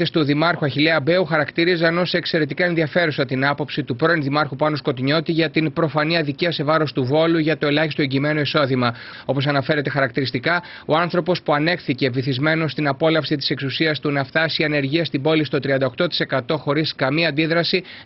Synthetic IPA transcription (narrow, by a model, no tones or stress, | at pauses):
est̪uðimɐɾxuɐçileɐbe̞uxɐɾɐkt̪iɾizɐno̞seekse̞ɾe̞t̪ikɐe̞nðiɐfe̞ɾusɐt̪inɐpo̞psit̪upɾo̞inðimɐɾxupɐnosko̞t̪iɲo̞t̪iʝɐt̪inpɾo̞fɐniɐðiciɐse̞vɐɾo̞st̪uvo̞luʝɐt̪oe̞lɐçist̪ue̞ɲɟiːme̞nuiso̞ðimɐ | o̞po̞s̬ɐnɐfe̞ɾe̞t̪e̞xɐɾɐk̚t̪iɾist̪ikɐ | o̞ɐnθɾo̞po̞spuɐne̞xθice̞viθizme̞no̞st̪inɐpo̞lɐfsit̪ise̞ksusiɐst̪unɐft̪ɐsiɐne̞ɾʝiɐst̪ibo̞list̪o̞t̪ɾiɐnd̪ɐokt̪o̞t̪i̥se̞kɐt̪o̞xo̞ɾiskɐmiɐːnd̪iðɾɐsi